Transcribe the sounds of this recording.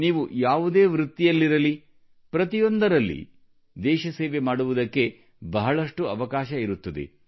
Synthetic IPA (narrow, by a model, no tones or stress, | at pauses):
niːʋujaːʋud̪eːʋɾut̪ːijɐlːiɾɐli | pɾɐt̪ijond̪ɐɾɐlːḭ | d̪ɛːʃɐseːʋemaːɽuʋud̪ɐkːe̞ | bɐɦɐɭɐʂʈuɐʋɐkaːʃɐiɾut̪ːɐd̪ḛ